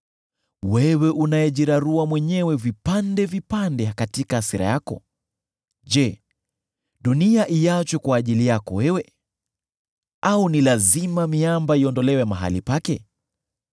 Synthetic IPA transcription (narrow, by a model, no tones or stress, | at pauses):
wɛwɛʔunajɛʄiɾaɾuwamwɛɲɛwɛvipandɛvipandɛkatikaːsiɾa̰jakɔ̰ | ʄɛ | ɗuniaʔiat͡ʃwɛkwaːʄilijakɔ̰wɛwɛ | aunilazimamiambaiɔndɔlɛwɛmaɦa̰lipakɛ